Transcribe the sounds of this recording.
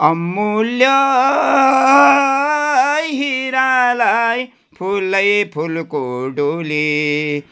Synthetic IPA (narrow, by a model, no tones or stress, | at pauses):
ɔmːuljɔ | jɦiɾalaj | pʰulːɐjpʰulkuɖuli